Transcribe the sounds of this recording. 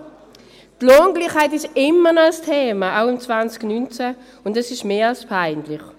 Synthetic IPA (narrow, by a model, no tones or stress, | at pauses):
tloːnɡliːχhaɪtɪʃɪmːənɔastʰeːmaʔaʊɪmt͡svant͡sɡ̥nynt͡sɛ | ʊndɛsɪʃmeːalspʰaɪnlɪχ